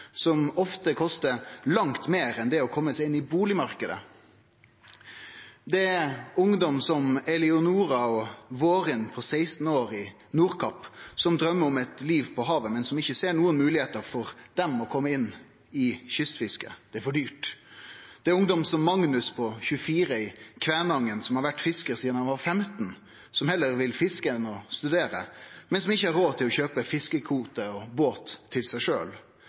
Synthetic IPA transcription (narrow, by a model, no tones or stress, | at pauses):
sɔmɔft̪əkʰɔst̪əɾlɑŋt̪meːɾɛnd̪ɛɔkʰɔmːəsɛɪɪnːɪbuːlɪmɑɾkəd̪ə̰ | d̪ɛæɾʊŋd̪ɔmsɔmɛlɪʊnuːɾɑɔʋoːʁɪnpʰɔsæɪst̪n̩oːɾɪ | nuːɾkʰɑpsɔmd̪ɾœmːəɔmɛt̪liːʋpʰɔɦɑːʋəmɛnsɔmɪçəseːɾɳuːənmʉːlɪheːt̪əɾfɔɾd̪ɛmɔkʰɔmːəɪnː | ɪçʏst̪fɪskə̰d̪̥ɛæfɔɖyːʈ | d̪̥ɛæɾʊŋd̪ɔmsɔmːɑŋnʉspʰɔçʉəfiːɾəɪkʰʋæːnɑŋːənsɔmhɑɾʋæʈːfɪskəɾsiːd̪nɑnɑfɛmt̪n | sɔmhɛlːəɾʋɪlfɪskəɛnɔst̪ʉd̪eːɾə̰mɛnsɔmɪçːəhɑɾoːt̪ʰɪlɔçøːpəfɪskəkʰuːt̪əɔboːt̪ʰːɪlsæɪʂø̰ːl